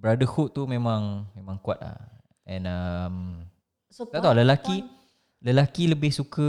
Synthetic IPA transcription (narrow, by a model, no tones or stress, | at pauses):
bəɾadahuʔt̪umẽmãŋmẽmãŋkuat̪̚la̰ | ɛ̃nəm | at̪aləlaki | ləlakiləbɪhsukə